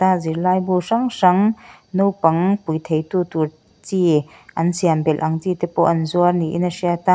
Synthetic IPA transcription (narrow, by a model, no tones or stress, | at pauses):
t̪aziɾlajbuʂaŋʂɐŋnuwpɐŋpujt̪ʰejt̪uːt̪uɾ | t͡siʔɐnsiambɛlʔɐŋt͡sit̪ɛpɔʔɐnzuɐrniʔḭnɐsiat̪a